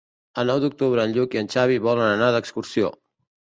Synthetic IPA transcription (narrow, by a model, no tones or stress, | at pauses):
ənɔwd̪uk̚t̪uβɾəːnʎukiənʲt͡ʃaβ̞iβɔlənənaðəkskuɾsio̰